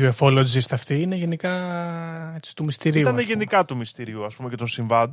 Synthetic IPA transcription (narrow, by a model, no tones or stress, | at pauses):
oefolod͡zist̪ɐft̪iineʝe̞nikɐ | e̞si̥t̪umist̪iɾiut̪ɐneʝenikɐt̪umist̪iɾiuɐspume̞ce̞t̪onsiɱvɐnd̪